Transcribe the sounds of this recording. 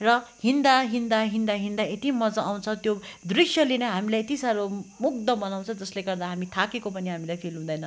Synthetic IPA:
rʌhind̪aɦind̪aɦind̪aɦind̪aet̪imʌd͡zʌaw̃t͡sʰʌt̪jod̪risjʌlenʌɦamilajet̪isaɾomuk̚d̪ʌbʌnaw̃t͡sʰʌd͡zʌsleɡʌrd̪aɦamit̪ʰakekopʌniɦamilajpʰilɦũd̪ʌjnʌ

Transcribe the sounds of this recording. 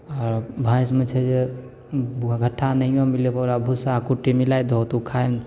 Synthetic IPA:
ɔɾbʱajsmet͡ʃʰɛd͡ʒe | ɡʱəʈʰːanəĩjõmilepɔɾabʱusakuʈːimilajd̪ʱot̪ukʰajm

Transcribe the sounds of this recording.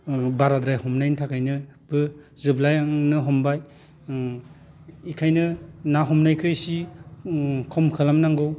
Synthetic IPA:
baɾadɾajhɔmnajntʰakʰajnɯb̥ɯzɯblajaŋnɯɦɔmbaj | ikʰajnɯnaɦɔmnajkʰɯjsi | kʰɔmkʰɯlamnaŋɡɯw

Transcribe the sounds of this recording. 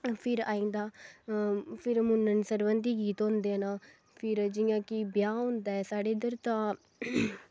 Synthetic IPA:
pʰɪɾa̰ːĩːnd̪aː | pʰɪɾmʊnːənsəɾʋənd̪iːɡiːt̪ɦõːnd̪eːanaː | pʰɪɾd͡ʒɪjãːkɪbjaːɦõnd̪aːɛːsaːɖeːd̪əɾt̪ãː

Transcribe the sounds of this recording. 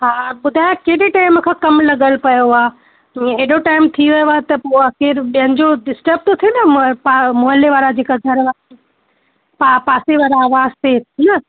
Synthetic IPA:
ɦaːɓʊd̪ʱaːjõkeːɗiʈaːɪmkʰãːkɐmlɐɠəlpɐjoaː | ɦeɗoʈaːɪmt̪ʰiʋɐjoaːet̪ɐpoɐxeːɾɓiɦə̃nɪ̆d͡ʑoɖɪsʈəb̚ʈot̪ʰijonɐamoɦəleʋaːɾad͡ʑeːkaɡʱɐɾʋaːɾ | papaːseʋaːɾaːʋaːzt̪ʰet̪ʰnɐ

